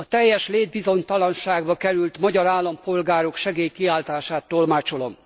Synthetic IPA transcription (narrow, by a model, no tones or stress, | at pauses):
ɒt̪ɛjːɛʃleːd̪̚bizo̞ɲt̪ɒlɒnʃaːɡbɒkɛɾylt̪mɒɟɒɾaːlːɒmpo̞lɡaːɾo̞kʃɛɡeːjkiaːlt̪aːʃaːt̪ːo̞lmaːt͡ʃo̞lo̞m